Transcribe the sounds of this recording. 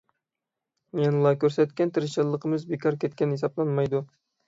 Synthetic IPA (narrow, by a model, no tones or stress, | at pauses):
mɛnlˠɑkʲøɾsɛt̪kʲɛnt̪ʰɨɾɪʃɨlˠːəqʰəmɨzbekʰɑɾkʲʰɛt̪̚kʲɛnhesɑblˠɑnmɑjd̪u